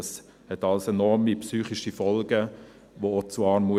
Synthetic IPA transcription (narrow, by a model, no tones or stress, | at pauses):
s | hɛtɑlsɛnɔɾmipsyːχiʃifɔlɡə | ʋoot͡suɑːɾmu